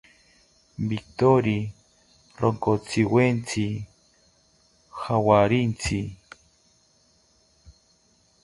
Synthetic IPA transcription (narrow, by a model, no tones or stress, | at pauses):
bik̚t̪oɾi | ɾoŋkot͡siwent͡sʰi | xawaɾint͡sʰi